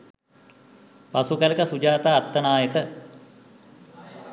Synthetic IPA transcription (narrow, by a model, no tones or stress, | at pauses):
pasukələkəsud͡ʒaːt̪aːt̪ːənaːjəkə